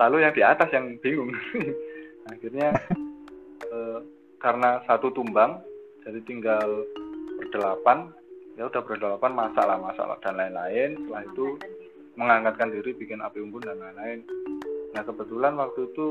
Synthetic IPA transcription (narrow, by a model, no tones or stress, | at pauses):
lalojaŋd̥iat̪asjaŋb̥iŋʊŋ | axirɲa | ə | kaɾənasat̪ut̪umbaŋd͡ʒ̥adit̪iŋɡalpərd̥əlapan | jaud̥ahpərdalapanmasa̰ʔlamasa̰ʔa̰d̥anlaɪnla̰ɪnsəlahit̪u | məŋaŋkat̪̚kandiɾibikɪnapiumbʊndanlaɪnlaɪnː | ahkəbət̪ulanwak̚t̪uit̪u